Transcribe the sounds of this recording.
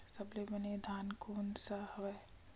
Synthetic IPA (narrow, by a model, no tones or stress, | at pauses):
sɐblebɐned̪ʱaːnkoːnsɐhɐʋe